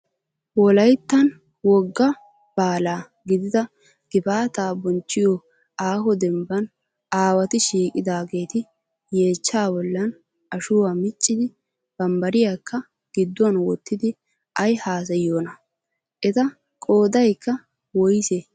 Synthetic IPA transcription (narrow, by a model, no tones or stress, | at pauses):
wɔlɐjt̪ːɐn | wɔɡːɐ | b̥aːlaː | ɡɪd̪ɪd̪ɐ | ɡ̥ɪbaːt̪aːbɔnt͡ʃːɪjɔ | aːhɔd̪ɛmbɐn | aːwɐt̪ɪʃiːkʼɪd̪aːɡe̞ːt̪ɪ | je̞ːt͡ʃːaːbɔlːɐn | ʔɐʃʊwamɪt͡ʃʼːɪd̪ɪ | b̥ɐmbɐɾɪjakːɐ | ɡ̥ɪd̪ːʊɐnwɔt̪ːɪd̪ɪ | ɐjhaːs̬ɐjoːnɐ | ʔɛt̪ɐ | kʼo̞ːd̪ɐjkːɐ | wɔjse